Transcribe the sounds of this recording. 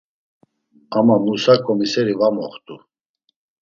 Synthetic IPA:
amamusakʼɔmisɛɾivamɔχt̪ʼu

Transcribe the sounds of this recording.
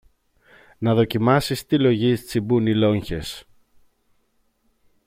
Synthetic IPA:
nɐðo̞cimɐsist̪ilo̞ʝist͡sibunilo̞ɲçe̞s

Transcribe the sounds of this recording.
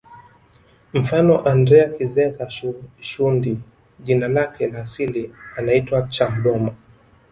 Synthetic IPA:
m̩fanɔʔandɾɛakizɛkauʃundi | ʄinalakɛlaːsilianaitwat͡ʃamɗɔma

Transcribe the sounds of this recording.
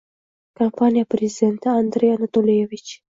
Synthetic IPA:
kʰampʰanʲijapɾʲezʲɪd̪ʲe̞nt̪ɪand̪ɾʲejanat̪olʲijevit͡ʃ

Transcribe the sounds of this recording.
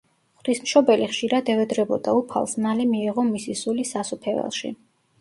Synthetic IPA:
χd̪̥ismʃɔbɛliχʃiɾad̪ɛvɛd̪ɾɛbɔd̪aupʰa̰lˠsnalɛmiɛʁɔmisisulisasupʰɛvɛ̰lˠʃḭ

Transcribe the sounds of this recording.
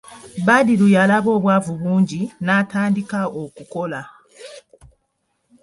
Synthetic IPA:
badilujalaβo̞ːβwaːvuβuːɲɟinaːtaːndikaokuko̞la

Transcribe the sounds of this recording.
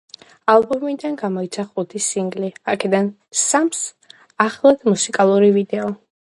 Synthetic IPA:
alˠbɔmid̪anɡamɔit̪sʰaχut̪ʰisiŋɡliakʰɛd̪an | sams | aχlˠad̪musikʼalˠuɾivid̪ɛɔ

